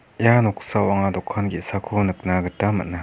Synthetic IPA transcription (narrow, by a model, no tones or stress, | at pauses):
janɔksawaŋad̪ɔkʰːanɡisakʰonɯk̚naɡɯt̪amɯ̰na